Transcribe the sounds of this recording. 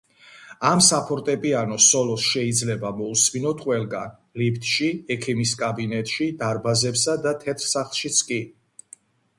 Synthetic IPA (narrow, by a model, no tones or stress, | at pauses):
amsapʰɔɾt̪ʼɛpʼianɔsɔlɔsʃɛid̪zlɛbamɔusminɔt̪ʰqʼwɛlˠɡa̰n | lipʰt̪ʼʃiɛkʰimiskʼabinɛt̪ʼʃid̪aɾbazɛpsad̪at̪ʰɛt̪ʰɾsaχlˠʃit̪sʰkʼi